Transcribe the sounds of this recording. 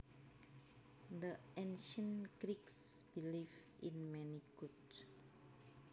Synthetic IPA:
də | ẽnʃə̃nɡɾiksbiliv | ḭ̃nmɛ̃niɡut

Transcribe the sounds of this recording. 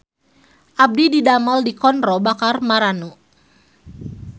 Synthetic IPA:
ʔab̚dididamaldikɔnɾɔbakarmaɾanu

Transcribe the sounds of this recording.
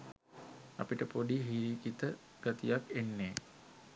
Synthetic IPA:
a̰piʈəpodiɦiɾiːkit̪ə | ɡ̥at̪ijakenːeː

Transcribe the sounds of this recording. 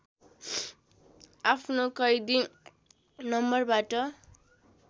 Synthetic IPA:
apʰnokʌjd̪i | nʌmbʌrbaʈʌ

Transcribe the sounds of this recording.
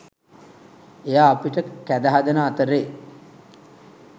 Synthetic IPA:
ejaːpiʈəkæd̪əɦad̪ənəːt̪əɾeː

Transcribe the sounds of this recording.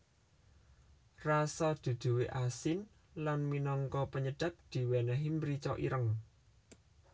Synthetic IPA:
rasad̪̥ṳd̪̥ṳweʔasɪn | lanminɔŋkɔpəɲəɖ̥ä̤p̚d̪̥i̤wɛnɛɦimbɾit͡ʃɔʔḭɾəŋ

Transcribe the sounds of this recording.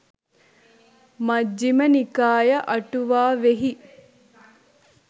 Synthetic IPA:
mɐd͡ʒːimɐnikaːjɐʔɐʈuʋaːʋeɦi

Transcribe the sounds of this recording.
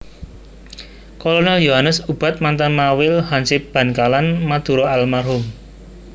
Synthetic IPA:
kolonɛljoɦanəsub̥ä̤t̪̚mant̪anmawɪlhansɪp̚b̥ä̤nkalanmad̪̥ṳɾɔalmarɦʊm

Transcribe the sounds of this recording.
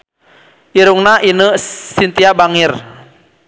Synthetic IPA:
ʔiɾuŋnaʔinəsint̪iabaŋir

